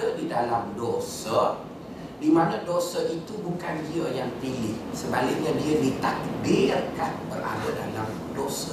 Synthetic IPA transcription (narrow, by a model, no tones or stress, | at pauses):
ədidalamdosər | dimãnãdosəʔit̪ubukand͡ʒiəjaŋpilɪhsəbalɪk̚ɲadiədit̪ak̚birkanbəra̰bədalam | dosə